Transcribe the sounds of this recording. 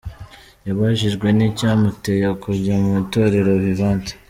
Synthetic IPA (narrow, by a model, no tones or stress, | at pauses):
jaβaʒiʒɡwe̞nicaːmutejakuɾɟamuito̞ːɾe̞ɾo̞βiβaːnte̥